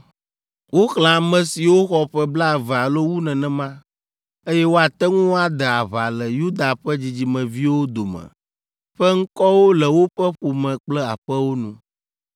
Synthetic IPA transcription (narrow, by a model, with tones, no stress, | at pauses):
wo˦xl̃ã˨mɛ̃˨si˨wo˦xɔ˨ɸɛ˦bla˦˨vɛ˨a˨lo˦wu˦nɛ̃˨nɛ̃˦mã˦ | e˦jɛ˦wo˦a˨t̪ɛ˦ŋũ˦a˨d̪ɛ˨a˨βa˨lɛ˨ju˦d̪a˨ɸɛ˦d͡ʑi˨d͡ʑi˨mɛ̃˨vi˦wo˦d̪o˨mɛ̰̃˨ | ɸɛ˦ŋ̩˦kɔ˦wo˦lɛ˨wo˦ɸɛ˦ɸu˨mɛ̃˨k͡plɛ˦a˨ɸɛ˦wo˦nũ˦